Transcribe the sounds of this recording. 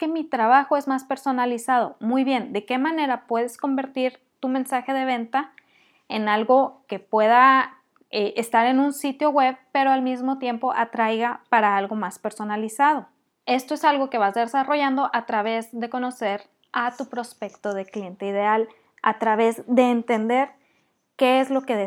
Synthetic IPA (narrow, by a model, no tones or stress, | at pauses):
emit̪ɾaβ̞axo̞e̞zmaspe̞ɾso̞nalisað̞o̞̰mujβje̞nd̪e̞ke̞mãne̞ɾapwe̞ðe̞sko̞mbe̞ɾt̪iɾ | t̪umẽnsaxe̞ðe̞β̞e̞nt̪a | e̞nalɣo̞ke̞pwe̞ða | eʔest̪aɾe̞nũnsit̪jo̞ɣwe̞βpe̞ɾo̞almizmo̞t̪je̞mpo̞ʔat̪ɾajɣapaɾaalɣo̞maspe̞ɾso̞nalisað̞o̞ | e̞st̪o̞e̞salɣo̞ke̞βazðesaro̞ʝand̪o̞ʔat̪ɾaβ̞e̞zðe̞ko̞no̞se̞ɾ | at̪upɾo̞spe̞kt̪o̞ð̞e̞klje̞nt̪eiðe̞al | a̰t̪ɾaβe̞zðe̞ːnt̪end̪e̞ɾ | ke̞ezlo̞ke̞ðe